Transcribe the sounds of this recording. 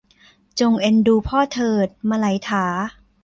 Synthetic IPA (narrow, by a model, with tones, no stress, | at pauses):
t͡ɕo˧ŋʔe˧nduː˧pʰɔː˥˩t̪ʰɤː˧˩t̪̚ma˧la˩˦jt̪ʰaː˩˦